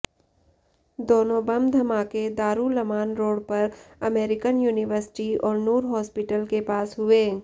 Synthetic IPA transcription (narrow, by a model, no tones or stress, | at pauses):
d̪oːnõbɐmd̪ʱɐmaːked̪aːɾulɐmaːnɾoːɽpɐɾɐmeːɾɪkənjuːnɪʋəɾsɪ̥ʈiɔːɾnuːɾɦɔːspɪʈəlkepaːsɦʊeː